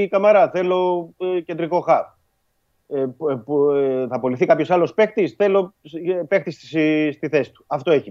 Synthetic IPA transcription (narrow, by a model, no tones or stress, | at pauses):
kɐmɐɾɐθe̞lo̞cend̪ɾiko̞xɐp | θɐpo̞liθikɐpço̞sɐlo̞spe̞xt̪isθe̞lope̞xt̪issst̪iθe̞si̥t̪u̥ɐft̪oe̞çi